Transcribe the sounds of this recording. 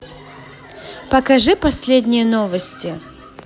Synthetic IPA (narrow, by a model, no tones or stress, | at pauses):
pɐkɐʐɨpɐsʲlʲedʲnʲɪjənovəsʲtʲɪ